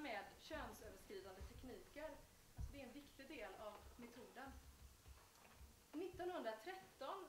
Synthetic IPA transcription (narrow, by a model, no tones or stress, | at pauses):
mɛːd̪ɕøːnsøːvəʂkɾiːd̪and̪ət̪ʰɛkniːkəɾ | alsɔd̪ɛæɾɛnvɪkt̪ɪɡd̪eːlavmɛt̪ʰuːd̪ən | nɪt̪ːɔnhɵnd̪ɾat̪ʰɾɛt̪ːɔn